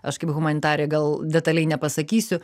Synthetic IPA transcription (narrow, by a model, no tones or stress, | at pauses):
ɐʃkɐɪpɣʊmɐnʲɪt̪ɑːɾʲɪjɛɡɐlˠdʲɛt̪ɐlʲɛɪnʲɛpɐsɐkʲiːsʲʊ